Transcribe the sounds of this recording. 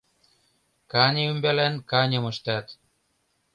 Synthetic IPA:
kɑnʲeymbelænkɑnʲɤ̆mɤ̆ʃt̪ɑt̪

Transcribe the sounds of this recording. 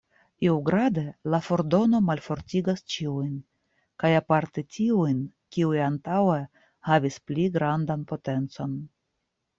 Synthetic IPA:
iwɡɾade̞lafo̞ɾdo̞no̞malfo̞ɾtʲiɡast͡ʃiujn | kajapaɾtetʰʲiujnkʲiujantawe | havʲispliɡɾandanpo̞te̞nt͡so̞n

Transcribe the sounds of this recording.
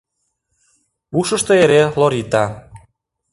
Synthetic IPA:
uʃə̆ʃt̪eeɾeloɾit̪ɑ

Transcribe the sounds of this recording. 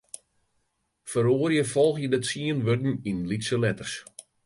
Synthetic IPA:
fəɾoərjəfɔlˠxjədətsiənʋødn̩inlitsəlɛtərs

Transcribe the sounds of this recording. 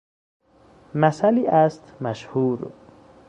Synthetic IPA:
mæsæliːʔæst̪mæʃhuːɾ

